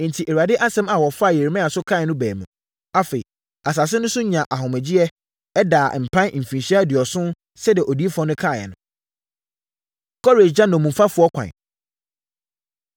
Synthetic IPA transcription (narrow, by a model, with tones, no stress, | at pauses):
n̩˨tʰi˨ʔe˨ɾa˨dɪ˦ʔa˦sɛ̃˦ma˨wɔ˨fa˦˨je˨ɾi˨mã˦a˨sʊ˦kʰa˦˨ɛ˨nʊ̃˦bæ̰ː˨mṵ̃˨ | a˦fe˨i˨ | a˨s̬a˨s̬ɪ˦nʊ̃˦sʊ˦ɲã˨ʔa˨ɦʊ̃˨mɛ˨d͡ʑi˦ɛ˦ | ɛ˦daː˨m̩˨pʰã˦n˨m̩˨fĩ˨n˨ɕi˦a˦dɪ˨ɔ˨sʊ̃˦ | sɛ˦dɪ˨ɛ˨ʔo˨di˦e˦fɔ̃˦nʊ̃˦kʰa˦˨jɛ̰˨nʊ̃˦ | kʰɔ˦ɾe˨d͡ʑã˦nã˨mũ˨m˨fa˦fʊ˨˦ɔ˦kʰʷã̰˨n